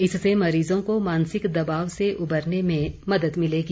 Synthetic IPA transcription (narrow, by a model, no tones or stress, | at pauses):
ɪsːemɐɾiːzõkomaːnsɪkd̪ɐbaːʋseʔʊbəɾnemẽmɐd̪əd̪mɪleɡi